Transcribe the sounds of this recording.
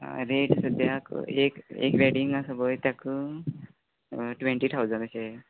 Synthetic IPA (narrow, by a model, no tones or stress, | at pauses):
ɾeʈsəd̪jakekḛkɾɛɽiŋɡasəbəjt̪jakə | ʈʋeɳʈiːt̪ʰawd͡zəɳd̪ɕe